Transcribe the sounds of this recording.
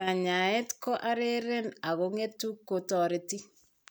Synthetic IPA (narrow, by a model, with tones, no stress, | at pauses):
a˨ɲa˨ɛ˦tkɔ˦ʔa˦ɾe˦ɾɛ˦na˨ɣoŋe˦tu˦kːo˨tɔ˨ɾe˨ti˦